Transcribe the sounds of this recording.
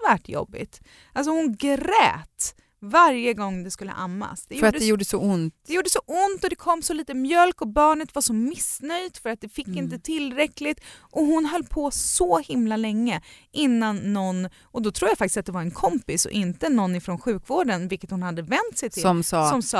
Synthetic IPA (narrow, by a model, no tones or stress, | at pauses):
væʈːjɔ̰bːɪ̰t̪ | ʔals̬ɔhʊnɡɾɛ̰ːt̪ | vaɾjəɡɔŋːd̪ɛskɵlːə̰ʔamːa̰sd̪ɛjfœɾatːɖdɛjuːɖəsɔʊnt̪ɛjuːɖəsɔʔʊnt̪ɔd̪ɛkʰɔmːsɔliːt̪əmjœlkɔbɑːɳət̪vaʂɔmɪsnœjd̪fœɾat̪̚d̪ɛfɪkːɪnt̪ət̪ʰɪlɾɛklɪt̪ʔɔɦʊnɦœlːpʰɔsɔhɪmlalɛŋːəʔɪnːanːɔn | ʔɔd̪ɔt̪ʰɾuːjafak̚t̪ɪsat̪̚d̪ɛvaɾɛnkʰɔmpɪsɔ̰ʔɪnt̪ənɔnːɪfɾɔnɧʉ̟ːkvoːɖənvɪlkət̪hʊnhad̪ːəvɛnt̪sɛjt̪ʰɪlɔmsɑːɔmsɑː